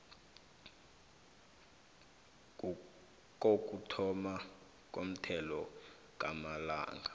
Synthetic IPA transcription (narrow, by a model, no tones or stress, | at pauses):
k̬ʼok̬ʼutʰɔma | k̬ʼom̩tʰɛlɔ | k̬ʼamala̰ːŋɡʱa